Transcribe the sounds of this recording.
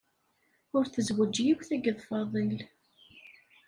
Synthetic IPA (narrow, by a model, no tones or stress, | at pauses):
ʊɾθəzwəd͡ʒjiwθæɡəðˤfɑðˤil